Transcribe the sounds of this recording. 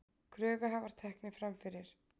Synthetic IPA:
kʰɾœːvɪɦavaɾ̥t̪ʰɛhknɪfɾamfɪɾɪɾ̥

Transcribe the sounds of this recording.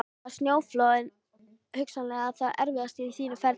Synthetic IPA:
st̪njoːwfloːɪn | hʏksanlɛːɣaðθaðɛɾvɪðast̪ɪisiːnʏfɛɾ

